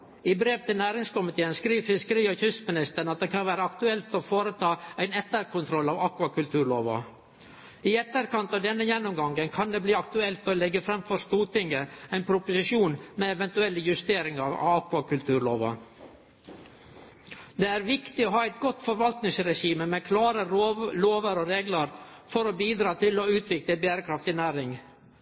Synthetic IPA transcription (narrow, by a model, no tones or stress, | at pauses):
ɪbɾeːʋt̪ʰɪlnæːɾɪŋskʊmɪt̪ʰeːənskɾiːʋfɪskəɾiːɔçʏst̪mɪnɪst̪əɳɑt̪̚d̪ɛkʰɑnʋæːɾəɑkt̪ʉɛlt̪ɔfoːɾət̪ʰɑːæɪnɛt̪ːəɾkʰʊnt̪ʰɾɔlːɑːʋɑkʋɑkʉlt̪ʰʉːɭoːʋɑ̰ | ɪɛt̪ːəɾkɑnt̪ɑʋd̪ɛnːəjɛnːʊmɡɑŋɡənkʰɑnd̪eːbliːɑkt̪ʉɛlt̪ɔlɛɡːəfɾɛmfɔɾst̪uːt̪ɪŋɡəæɪnpʰɾʊpʊsɪʂuːnmɛɛʋɛnt̪ʉɛlːjʉst̪eːɾɪŋɑʋɑ̰ʋɑkʋɑkʉlt̪ʰʉːɾɭoːʋɑ̰ | d̪eːæːɾʋɪkt̪ɪɔɦɑːɛɪt̪̚ɡɔt̪ːfɔɾʋɑlt̪nɪŋsɾɛʂiːməmɛkʰlɑːɾəɾloːʋəɾɔɾeːɡləɾ | fɔɾɔbiːd̪ɾɑːt̪ʰɪlɔʉːt̪ʰʋɪkləbæːɾəkʰɾɑft̪ɪnæːɾɪŋ